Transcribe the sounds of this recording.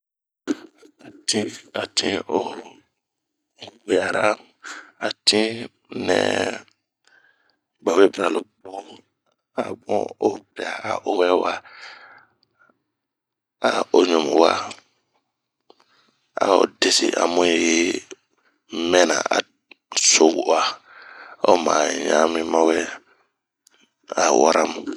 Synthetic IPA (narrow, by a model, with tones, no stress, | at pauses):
a˨tĩ˦a˨tʰĩ˦o˦˨ | we˨a˨ɾa˦ | a˨tʰĩ˦ | nɛ̰̃˨ | ba˨we˦bɾa˨lo˨bɔ̃˦ | a˨bɔ̃˦o˦pɛ˨a˨a˨ʔo˦wɛ˦wa˦ | a˨o˦ɲõ˨mu˨wa˦ | a̰˨o̰˨de˨si˨ʔa̰˨mũ˦je˦ | mɛ̃˦nã̰˨a̰˨ | so˦ɡu˦a˦ | o˦mã˨ɲã˦mĩ˦mã˦wɛ˦ | a˨wa˦ɾʔa˦m˨